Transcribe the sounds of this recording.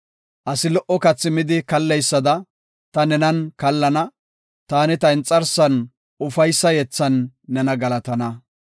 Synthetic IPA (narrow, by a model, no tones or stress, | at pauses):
ʔɐsɪlɔʔɔkɐt͡sːɪmɪd̪ɪkɐlːɛjsːɐd̪ɐ | t̪ɐnɛnɐnkɐlːɐnɐ | t̪aːnɪt̪ɐɪnt͡sʼːɐɾsɐn | ʊfɐjsːɐjɛt͡sːɐnːɛnɐɡɐlɐt̪ɐnɐ